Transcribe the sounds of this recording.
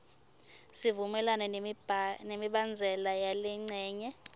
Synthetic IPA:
sivumɛlanɛ | nemiɓand͡zʱɛlajalɛŋ͡ǀɛːɲɛ

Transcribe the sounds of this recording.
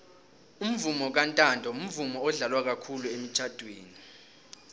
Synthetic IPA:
um̩vumɔk̬antʼantʼɔum̩vumɔɔɮalwak̬akʰuluem̩t͡ʃʰʼad̥ʱwḛːni

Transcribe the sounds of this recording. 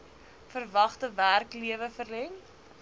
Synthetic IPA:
fərvɐχtəværkliəvəfərlɛŋ

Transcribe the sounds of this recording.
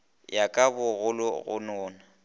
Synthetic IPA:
jakʼabʊɣʊlʊɣʊ̰nʊːna

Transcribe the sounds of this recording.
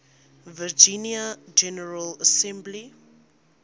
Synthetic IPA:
vəd͡ʒĩniad͡ʒɛnəɹələsɛ̃mbli

